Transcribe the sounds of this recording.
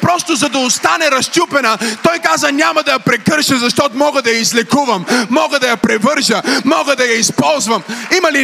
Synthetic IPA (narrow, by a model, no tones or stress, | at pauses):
pɾɔst̪ʊzɐd̪ɐʊst̪anɛɾɐʃt̪ʲupɛnɐt̪ɔjkazɐnʲamɐd̪ɐjɐpɾɛkɤɾʃɐzɐʃt̪ɔt̪ʊmɔɡəd̪ɐjɐizlɛkuvɐmːɔɡəd̪ɐjɐpɾɛvɤɾʒɐmɔɡəd̪ɐjɐispɔlˠzvɐmimɐli